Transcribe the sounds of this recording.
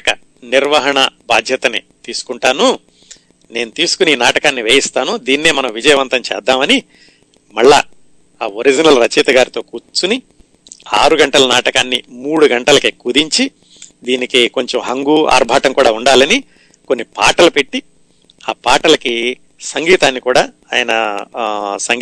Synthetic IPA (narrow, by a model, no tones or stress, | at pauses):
kɐ̰ | niɾʋɐɦɐɳɐbaːd̪ʱjɐt̪ɐnḛːt̪iːsu̥kuɳʈaːnu | ne̞ːnut̪iːsu̥kuniːnaːʈɐkaːnːiʋeːjist̪aːnud̪iːnːeːmɐnɐmʋid͡ʒɐjɐʋɐnt̪ɐɲt͡ʃɛ̰ːd̪ːaːmɐni | mɐɭːa̰ | aːoɾid͡ʒinɐlɾɐt͡ʃiːt̪ɐɡaːɾit̪o̞ːkuːt͡ʃːuni | aːɾuɡɐɳʈɐlɐnaːʈɐkaːnːḭmuːɽuɡɐɳʈɐlɐkekud̪iɲt͡ʃi | d̪iːnikiko̞ɲt͡ʃomɦɐŋɡuːa̰ːɾbʱaːt̪ɐŋkuːɽaːuɳɖaːlɐni | konːipa̰ːʈɐlɐpe̞ʈːi | aːpaːʈɐlɐki | sɐŋɡiːt̪aːnːikuːɽaː | aːjɐnɐ | sɐŋ